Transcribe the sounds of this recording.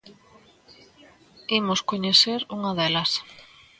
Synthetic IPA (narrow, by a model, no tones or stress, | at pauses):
imʊskoɲeθeɾuŋɐðɛlɐs